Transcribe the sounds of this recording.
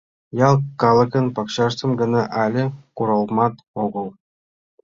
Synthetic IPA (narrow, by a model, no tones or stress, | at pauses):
jɑlˠkɑlˠɤ̆kɤ̆npɑkɕɑʂt̪ɤ̆mɡɤ̆nɑʔɑlʲɘ̆kuɾɤ̆lˠmɑt̪ | oɡɤ̆lˠ